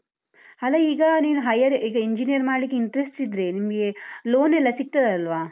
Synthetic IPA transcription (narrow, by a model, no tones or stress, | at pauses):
hɐlɐiːɡɐniːnuɦɐjɐɾiːɡɐeɲd͡ʒinijɐɾmaːɖlikːeiɳʈɾesʈsid̪ɾeːnimɐɡeloːnɛlːɐsik̚ʈ̪ɐd̪ɐlʋaː